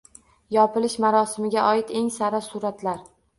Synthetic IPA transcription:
jɒpɪlɪʃmaɾɒsɪmɪɡʲaʔɒɪt̪e̞ŋsaɾasuɾat̪ʰlaɾ

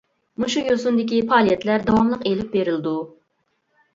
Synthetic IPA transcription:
muʃujosund̪ɪkʲipʰɑːlˠijɛt̪læɾd̪ɑwɑmlˠəqelɪp̚beɾɪld̪u

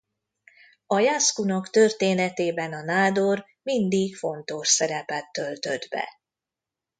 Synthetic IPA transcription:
ɒjaskunɒkt̪ørt̪eːnɛt̪eːbɛnɒnaːd̪or | mind̪ikfo̞nt̪o̞ʃsɛɾɛpɛt̪ːølt̪ød̪bɛ̰

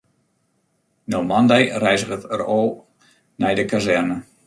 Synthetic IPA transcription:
nowmandɛjrɛjzəɣətəroː | nɛjdəkazɛrnə

